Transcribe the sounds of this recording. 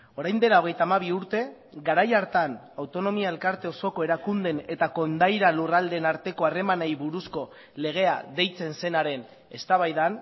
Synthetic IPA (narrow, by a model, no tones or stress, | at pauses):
o̞ɾajnd̪e̞lao̞ɣ̞e̞jt̪amaβ̞iuɾt̪e̞ | ɡaɾajaɾt̪an | awt̪o̞no̞miae̞lkaɾt̪e̞o̞so̞ko̞e̞ɾakund̪e̞ne̞t̪ako̞nd̪ajɾalurald̪e̞ːnaɾt̪e̞ko̞are̞manajβuɾusko̞ | le̞ɣ̞e̞a̰ðe̞jt͡se̞nse̞naɾe̞n | e̞st̪aβajðan